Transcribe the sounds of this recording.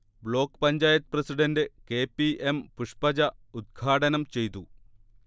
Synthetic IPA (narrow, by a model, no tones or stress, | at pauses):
bɭo̞ːkːpɐɲd͡ʑaːjɐt̪̚prɐsiɖɐndɨkeːpːiʔempuʂpɐd͡ʑɐud̪̚ɡʰʱaːʈɐnɐmt͡ɕe̞jt̪u